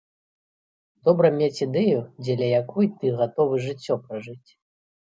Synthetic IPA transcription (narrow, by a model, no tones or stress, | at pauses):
d̪̥ɔbɾɐmʲet͡sʲid̪ɛjud͡zʲɛdlʲɐjakujt̪ɨɣat̪ɔvɨʐɨt͡sʲːɔpɾaʐɨt͡sʲ